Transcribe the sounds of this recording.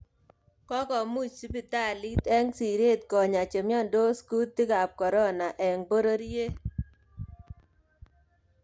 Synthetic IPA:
kɔ˦kɔ˨mu˦t͡ʃsi˦pi˨ta˦˨li˦tɛ˦ŋsi˨ɾe˦t̚kɔ˨ɲa˨t͡ʃe˨mjɔ˦ndo˦sku˦tːi˦ka˨p̚kɔ˨ɾɔ˦na˨ʔɛ˨ŋbo˦ɾo˦ɾje˦

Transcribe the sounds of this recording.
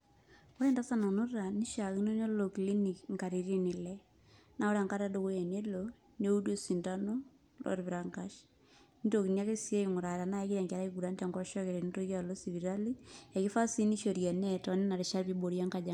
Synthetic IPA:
o˦ɾe˦nda˦sa˦na˨nu˦ɾa˨ni˦ʃa˨ki˦no˦ɲo˦lo˨kli˦ni˨kŋka˨ɾi˨ɾi˦ni˨lɛ˦ | na˨˦o˦ɾa˨ŋka˦ɾa˦do˦ko˦je˨ne˦lo˨ | no˦u˦do˦si˨nta˦no˦ | lʔo̰˨ɾβi˨ɾa˨ŋkaʃ | n˦to˨ki˨nja˦ke˦si˦e˦i˨ŋu˨ɾa˨ɾa˨na˦e˦ki˦ɾɛ˨ŋkɛ˨ɾa˦i˦ku˨ɾa˦nta˨ŋɡɔ˦ʃɔ˦ke˨ɾe˨ni˦to˦ka˨lo˦si˨βi˨ɾa˦li˦e˨ki˦fa˦si˦ni˦ʃo˨ɾja˨nɛ˦tɔ˨ni˦na˨ɾi˨ʃa˦βi˦bo˨ɾja˦ŋka˨d͡ʒa˨

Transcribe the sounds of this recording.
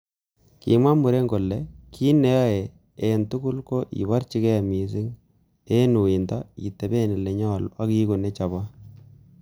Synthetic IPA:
kḭ˨ma˦mu˨ɾe˦ŋɡo˨lːɛ˨kʰi˦ne˦ja˦e˨ | e˨ntu˦ku˦lko˦ʔḭ˨ba˦ɾt͡ʃi˦kɛ˦˨mi˨si˦ŋ | e˦nu˨i˨nda˦ḭ˨te˨be˦˨ni˨le˨ɲɔ˦˨la˦ki˦ku˨ne˦t͡ʃa˨ba˦

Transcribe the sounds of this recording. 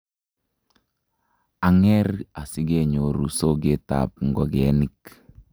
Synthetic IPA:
a˨ŋɛ˦ɾa˨si˦ɡe˦ɲo˨ɾu˨so˦ɡe˦ta̰˨p̚ŋ˨ɡɔ˦ɡɛ˨˦nik

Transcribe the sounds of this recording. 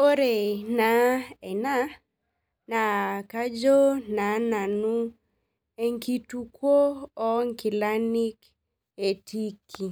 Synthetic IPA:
o˦ɾe˨na˨˦ɛ˨na˦ | na˨ka˦d͡ʒo˦na˨˦na˨nu˦ | e˨ŋki˦tu˦kwoː˦ŋki˨la˦ni˦k | e˨ti˦kʰi˨

